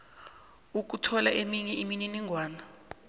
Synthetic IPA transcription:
uk̬utʰɔlaʔemiɲɛʔimininiŋɡʱwaːna

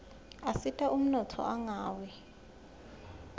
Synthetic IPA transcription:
asitʼaʔum̩nɔtʰɔ̰ʔaŋaːwɛ

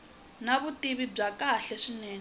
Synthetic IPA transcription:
naβutiβib͡ʐakaɬɛʂinɛːŋ

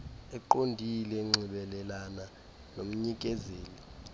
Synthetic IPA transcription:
ɛǃondʱilɛŋ͡ǀʱiɓɛlɛlana | nom̩ɲik̬ʼɛzeːli

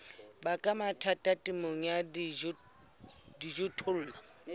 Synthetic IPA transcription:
bakʼamatʰatʼatʼimoŋad | did͡ʒʊtʰʊl̩ːla

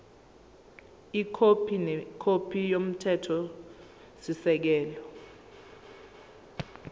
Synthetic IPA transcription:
ikʰopʰinkʰopʰijom̩tʰɛtʰɔ | sisɛk̬ɛːlɔ

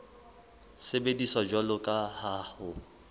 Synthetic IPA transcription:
sebedisɔd͡ʒwalʊkʼahahʊ

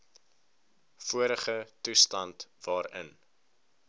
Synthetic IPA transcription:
fuəɾəχətustɐntvɑːɾə̰n

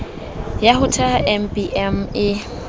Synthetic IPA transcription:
jaɦʊtʰaʔɛmbiʔɛmɪ

